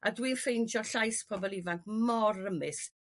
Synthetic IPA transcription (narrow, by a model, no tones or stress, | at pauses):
ʔadwiːnfejnd͡ʒɔɬajspʰɔbɔlˠivaŋkmɔrəmɨθ